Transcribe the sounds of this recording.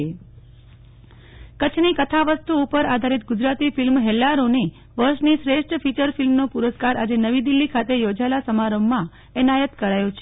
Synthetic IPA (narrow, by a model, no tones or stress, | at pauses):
e | kət͡ʃʰnikət̪ʰaʋəst̪uːpəɾad̪ʱaɾit̪ɡʊd͡ʒɾat̪ifilmɦɛlːaɾone | ʋəɾʃnisɾeʃʈfit͡ʃəɾfilmnopʊɾəskaɾad͡ʒenəʋid̪ilːikʰat̪ejod͡ʒalasəmaɾəmːã | ɛnajət̪kəɾajõt͡ʃʰe